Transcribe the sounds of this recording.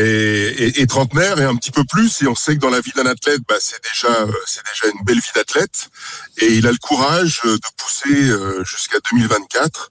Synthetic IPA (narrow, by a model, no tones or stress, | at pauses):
eeʔːt̪χɑ̃t̪nɛʁeɛ̃pət̪ipøplyseɔ̃sɛkəd̪ɑ̃lavid̪ɛ̃nat̪lɛt̪̚basɛd̪eʒaøsɛd̪eʒaynbɛlvid̪at̪lɛt̪eilaləkʰuʁaʒød̪əpu̥seøʒyskad̪ømilvɛ̃t̪̚kʲat̪χ